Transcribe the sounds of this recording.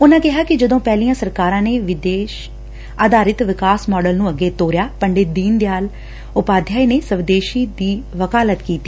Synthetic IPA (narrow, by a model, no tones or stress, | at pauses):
ʊnãːkɪɦaːkɪd͡ʒəd̪õːpɛːlijãːsəɾkaːɾãːneːʋɪd̪eːʃ | aːd̪aːɾɪt̪ʋɪkaːsmɔːɖəlnũːəɡːeːt̪oːɾjaːpəɳɖeːd̪iːnd̪ejaːl | ʊpaːd̪ʱjaːineːsəʋd̪eːʃiːd̪iːʋəkaːlət̪kiːt̪iː